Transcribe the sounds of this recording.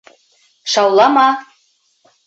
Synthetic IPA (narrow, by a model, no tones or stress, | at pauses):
ʃɑwlˠɑmɑ